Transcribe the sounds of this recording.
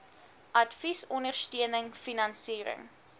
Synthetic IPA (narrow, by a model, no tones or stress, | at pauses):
ʔɐtfisɔndərstiənəŋfinɐnsiːɾə̰ŋ